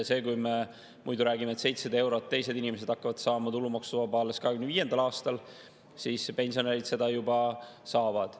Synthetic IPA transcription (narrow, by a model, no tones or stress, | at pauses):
se̞ːkujme | mṵjd̪uɾæːɡimet̪se̞jt̪sed̪e̞wɾo̞t̪ːe̞jse̞d̪inime̞s̬e̥ɑkːɑvɑd̪̥sɑːmɑt̪ulːumɑksuvɑbɑːleskɑɦeɡymneviːje̞nd̪ɑlɑːst̪ɑl | siːspe̞nsio̞neɾid̪se̞d̪ɑjubɑsɑːvɑd̪̥